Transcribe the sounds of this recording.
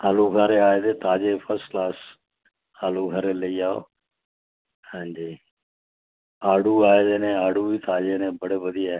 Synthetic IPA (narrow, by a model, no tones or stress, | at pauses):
aːluːɡʱaɾeaːed̪eːt̪aːd͡ʒepʰəɾsʈklaːs | aːluːɡʱəɾeləiaːo̰ | hãːnd͡ʒiː | aːɽuaːed̪eːnẽaːɽuːbiːt̪aːd͡ʒeːnẽbəɽeːbəd̪ʱiaːe